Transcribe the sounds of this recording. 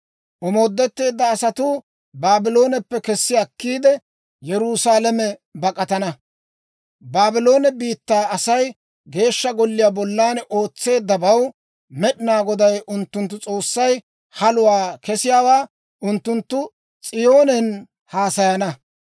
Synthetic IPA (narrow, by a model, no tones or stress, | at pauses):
ʔɔmoːd̪ːɛt̪ːe̞ːd̪ːɐːsɐt̪ʊ | baːbɪlo̞ːnɛpːɛkɛsːɪakːiːd̪ɛ | jɛɾusaːlɐmɛbɐkʼɐt̪ɐnɐ | baːbɪlo̞ːnɛbiːt̪ːaːɐsɐj | ɡe̞ːʃːɐɡɔlːɪjaːbɔlːaːnʔo̞ːt͡sːe̞ːd̪ːɐbɐw | mɛɗɪnaːɡɔd̪ɐjʔʊnt̪ːʊnt̪̬ːʊt͡sʼo̞ːsːɐj | hɐlʊwaːkɛsɪjaːwaː | ʊnt̪ːʊnt̪ːʊ | t͡sʼɪjo̞ːnɛn | haːsɐjɐnɐ